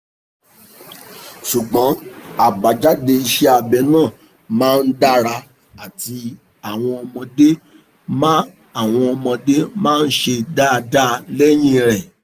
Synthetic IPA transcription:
ʃu˨ɡ͡bɔ̃˨˦a˨ba˨d͡ʒa˨˦de˧i˧ʃɛ˦a˧bɛ˨nãː˦˨ | mãː˦˧n̩˦da˦ɾa˧ | a˨ti˧ | a˦˨w̃ɔ̃˧ɔ˧mɔ̃˧de˦ | ma˦ | a˦˨w̃ɔ̃˧ɔ˧mɔ̃˧de˦mãː˦˧n̩˦ʃe˧da˦˧da˦lɛ˦j̃ĩ˦ɾɛ˨

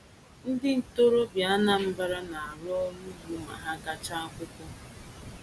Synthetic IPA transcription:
n̩˦dɪ˦n̩˨to˦ɾo˦bja˨a˦na˦m̩˦ba˦ɾa˦na˨a˨ɾɔ˦nu˦zu˨ma̰˨ɦa˦ɡa˦t͡ʃa˦a˦kʷʊ˦kʷɔ˦

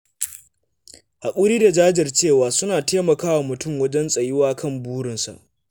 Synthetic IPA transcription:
ha˨kʷʼuː˦ɾiː˦da˨d͡ʒaː˦d͡ʒɪ˨rt͡ʃeː˦˨waː˨sʊ˦naː˨teː˦mɐ˨kaː˦wa˨mʊ˨tʊ˦˨mwɐ˦d͡ʒɛ˦nsʼɐ˨jɪ˦waː˦kʰɐ˦˨mbuː˦ɽɪ˨nsa̰˨ʔ

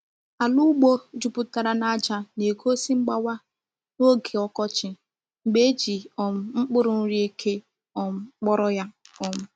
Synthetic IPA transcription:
a˨lu˦ɡ͡bo˦d͡ʒu˨pʊ˦ta˨ɾa˦na˦d͡ʒa˦ne˨ko˦si˦ŋ͡m̩˦ɡ͡ba˦wa˦ | no˦ɡe˨ɔ˦kɔ˦t͡ʃɪ˨ | ŋ͡m̩˨ɡ͡be˦d͡ʒi˨ɔ˨m̩˦ŋ͡m̩˦k͡pʊ˦ɾʊ˨n̩˦ɾi˦e˦kʰe˦ | ɔ˨m̩˦k͡pɔ˦ɾɔ˦ja˦ɔ˦m̩˦

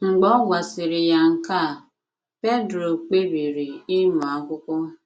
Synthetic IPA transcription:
ŋ͡m̩˨ɡ͡bɔ˦ɡʷa˨sɪ˨ɾɪ˨ja˦ŋ̩˨ka˦˨ | pe˦dɾo˨k͡pe˦ɾi˨ɾi˨i˦nu˨a˨˦kʷʊ˦kʷɔ˦

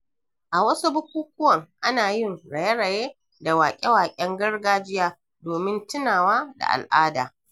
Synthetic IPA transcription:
ʔa˨wɐ˦su˦bʊ˦kʷuː˦k̚ʷʊ˦wɐ˨ŋʔa˦naː˨jɪ˦ŋɽɐ˨je˦ɽɐ˨jeː˦ | da˨waː˨kʲʼe˦waː˨kʲʼɛ˦ŋɡɐ˦rɡaː˦d͡ʒɪ˦jaː˦ | doː˨mɪ˦ntɪ˦naː˨waː˦da̰˨ʔa̰˨lʔaː˦da̰ː˨

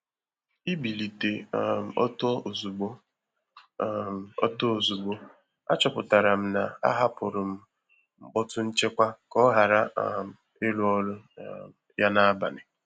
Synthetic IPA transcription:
i˦bi˨li˨te˨ɔ˦to˦o˨zu˨ɡ͡bo˦ | ɔ̰˦to˦o˨zu˨ɡ͡bo˦ | a̰˦t͡ʃɔ˨pʊ˨ta˨ɾa˨m̩˦na˨a̰˦ɦa˦pʊ˨ɾʊ˨m̩˦ | ŋ͡m̩˦ɡ͡bɔ˦tʊ˦n̩˦t͡ʃe˦kʷa˦kɔ˦ɦa˨ɾa˦m̩˨ | e˦lu˦ɔ˦lʊ˦ | ja˦na˦a˦ba̰˨nɪ˨

